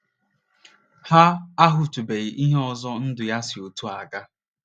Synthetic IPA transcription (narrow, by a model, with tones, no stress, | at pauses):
ha˦a˦ɦʊ˨tu˨be˨ʔi˦ɦe˦ɔ˨zɔ˦n̩˦dʊ˨ja˦sɪ˨o˨tu˦a˨ɡa˦